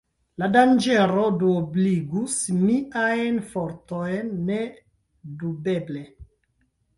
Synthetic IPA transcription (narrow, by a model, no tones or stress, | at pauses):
ladand͡ʒeɾoduobliɡusmiʔajnfoɾtojnːe | dube̞ble